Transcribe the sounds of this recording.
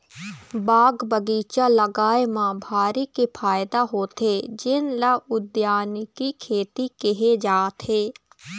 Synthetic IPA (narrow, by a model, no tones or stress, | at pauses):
baːɡbəɡiːt͡ʃaləɡaːemãːbʱaːɾikepʰaːɪd̪aɦoːt̪ed͡ʒɪnlaːʊd̪jaːnkikʰeːt̪ikeɦed͡ʒaːt̪ɦeː